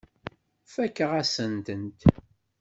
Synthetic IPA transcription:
fækːəʁasənt̪ənt̪

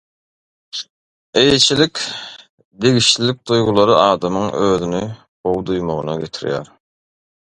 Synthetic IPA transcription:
ejet͡ʃʰilikʲ | d̪e̞ɣiʃlilik̚d̪ujʁulˠɑɾɯʔɑːd̪ɑmɯŋøːðyni | bowd̪ujmoʁɯnɑ̰ɡʲe̞t̪ʰiɾjæ̰ːɾ

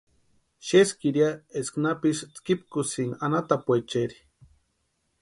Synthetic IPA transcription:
ʃeskiɾjaesknapist͡skip̚kʊsiŋanat̪apwet͡ʃeɾi

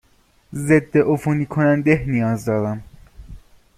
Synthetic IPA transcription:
ze̞d̪ːe̞ʔofuniːkʰonænd̪ehnijɒːzd̪ɒːɾæm

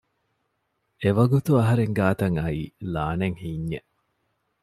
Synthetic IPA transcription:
eʋɐɡut̪uɐɦɐɾeŋɡaːt̪ɐŋɐiːlaːneŋhiːɲːe

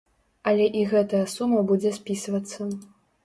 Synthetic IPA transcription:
ɐlʲɛʔiɣɛt̪ɐjɐsumɐbud͡zʲɛspʲisvɐt̪sːɐ

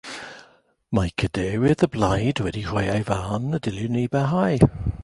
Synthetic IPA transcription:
majkʰəd̥ɛwɪðəblajdwɛdihɔjajvanədɪljəniːbɛɦaj

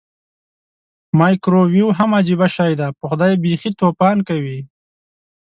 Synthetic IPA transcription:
mɑjkɾowiuwɦamad͡ʒibaʃɑːjd̪apəxʊd̪ɑːjebixit̪oːpɑːnkawi

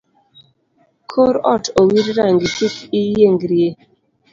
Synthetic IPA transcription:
kʰoɾɔtʰowiɾɾaŋɡitukijeŋɡɾje

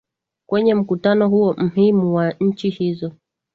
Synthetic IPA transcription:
kwɛɲɛm̩kutanɔhuɔm̩himuwaɲ̩t͡ʃihizɔ

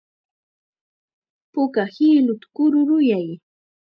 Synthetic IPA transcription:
pʊkahiːlʊt̪ḁkʊɾʊɾʊjaj

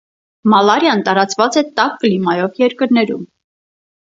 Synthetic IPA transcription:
mɑlɑɾjɑnt̪ɑɾɑt͡svɑt͡sɛt̪ɑkːəlimɑjɔvjɛɾkəɾnɛɾṵm

